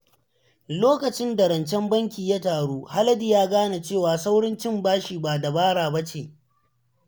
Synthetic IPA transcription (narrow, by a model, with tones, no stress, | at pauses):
loː˦kɐ˨t͡ʃɪ˦nda˨ɾɐ˨nt͡ʃɛ˦mbɐ˦ŋkʲiː˨ja˦taː˨ɽoː˦ha˦lɐ˦di˨jaː˦ɡaː˦na˨t͡ʃeː˦˨waː˨sa˦wɽɪ˦nt͡ʃɪ˦˨mbaː˦ʃiː˨ba˨da˨baː˦ɽaː˨ba˦t͡ʃeː˨